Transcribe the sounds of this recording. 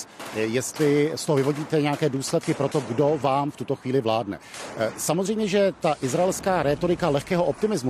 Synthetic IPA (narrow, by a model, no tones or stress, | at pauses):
jɛst̪lɪst̪oɦoɪvo̞ɟiːt̪ɛɲɛakɛːduːslɛt̪kɪpɾo̞t̪o̞ɡdo̞vaːmft̪ut̪o̞xviːlɪvlaːdnɛ̰samozrɛjmɲɛʒɛt̪aʔɪzɾaɛlskaːɾɛːt̪o̞ɾɪkalɛxkɛːɦo̞ʔop̚t̪ɪmɪzmu